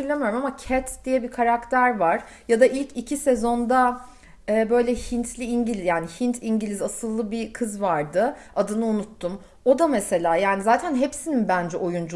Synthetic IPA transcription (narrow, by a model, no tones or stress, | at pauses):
ilʲemijo̞ɾumamacʰɛt̪d̪̥ijɛbikʰaɾakt̪ʰæɾvaɾ̥ | jad̪aʔilʲcʰicʰisezo̞nd̪a | ɛːbø̞jlʲɛhint̪ʰlʲiiɲɟilʲizjaːniçint̪ʰiɲɟilʲizasɯlˠːɯbikʰɯzvaɾd̪ɯ | ad̪ɯnɯunut̪ːum | o̞d̪amese̞lʲaːjaːnizaːt̪ʰænɦepsininbænd͡ʒɛʔo̞jund͡ʒu